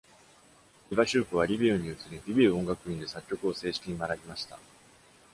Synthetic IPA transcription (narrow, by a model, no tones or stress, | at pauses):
ibaɕɨːkɯ̟β̞aɾʲibʲiɯɲ̟iɯ̟t͡sɨɾʲiɾʲibʲiɯ̟õ̞ŋɡakɯ̟ĩnd̪e̞sakʲːo̞kɯ̟o̞se̞ːɕi̥kʲiɲ̟imaɾabʲimaɕi̥t̪a̰